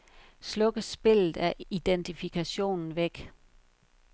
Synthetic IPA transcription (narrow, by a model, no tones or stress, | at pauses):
slɔ̽ɡ̥əsb̥e̝l̰ð̩ˠæɐid̥ent͡sʰifikʰæɕo̝̰ːnn̩ʋeɡ̥